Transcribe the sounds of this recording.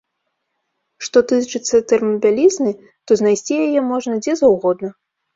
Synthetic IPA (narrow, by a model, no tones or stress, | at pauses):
ʂt̪ɔt̪ɨt͡ʂɨt̪sːɐt̪ɛrmɐbʲalʲiznɨ | t̪ɔznajsʲt͡sʲijajɛmɔʐnɐd͡zʲɛzawɣɔd̪̚nɐ